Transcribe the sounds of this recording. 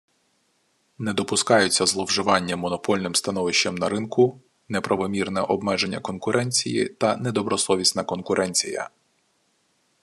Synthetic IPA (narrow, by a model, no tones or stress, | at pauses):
nɛd̪ɔpʊskɑjʊt͡sʲːɐzlˠɔwʒɪʋɑnʲːɐmɔnɔpɔlʲnɪmst̪ɐnɔʋɪʃt͡ʃɐmnɐɾɪnkʊ | nɛpɾʔɐʋɔmʲirnɛʔɔbmɛʒe̞nʲːɐkɔnkʊɾʔɛnʲt͡sʲijḭt̪ɐnɛd̪ɔbɾɔsˠɔʋʲisʲnɐkɔnkʊɾʔɛnʲt͡sʲḭjɐ̰